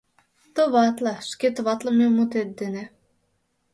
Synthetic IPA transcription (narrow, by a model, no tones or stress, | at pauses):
t̪oβɑt̪lˠɑʃket̪əβɑt̪ləmemut̪et̪̚d̪ene